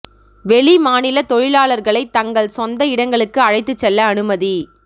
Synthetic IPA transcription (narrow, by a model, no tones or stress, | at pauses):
ʋɛɭimaːnɪlɐt̪ɔɻɪlaːɭɐɾɣɐɭɐɪt̪ːɐŋɡɐɭsɔnd̪ɐɪɽɐŋɡɐɭɯkːɯɐɻɐɪt̪ːɯt͡ʃːɛlːɐːnɯmɐði